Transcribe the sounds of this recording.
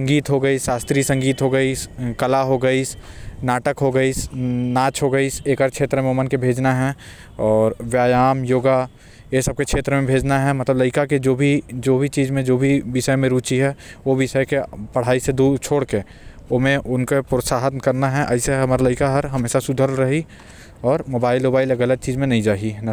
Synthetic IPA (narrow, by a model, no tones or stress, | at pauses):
sɐ̃ŋɡiːt̪ɦoɡəisaːst̪ɾisɐ̃ŋɡiːt̪ɦoɡəiskɐlaɦoɡəisnaːʈəkɦoɡəisnaːt͡ʃɦoɡəiseːkəɾkʰʃʰeːt̪ɾəmẽomənkebʱeːd͡ʒnaɦɛ | ɔːɾʋjaːjaːmjoːɡa | jesəb̚kekʰʃʰeːt̪ɾəmẽbʱeːd͡ʒnaɦɛmɐt̪ləbləɪkaked͡ʒoːbʱid͡ʒoːbʱit͡ʃiːzmẽd͡ʒoːbʱiʋɪʃəemẽɾuːt͡ʃiɦɛʋoʋɪʃəekepɐɽ̤aːised̪uːd̪t͡ʃʰoːɽke | omẽʔʊnkepɾəsaːɦət̪kɐɾnaɦɛʔɐɪseɦɐmaːɾaləɪkaɦɐɾɦɐmeːsasʊd̪ʱəɾlɾɐɦi | ɔːɾmoːbaːɪloːbaːɪleɡələd̪̚t͡ʃiːzmẽnɐɦĩd͡ʒaːɦinɐ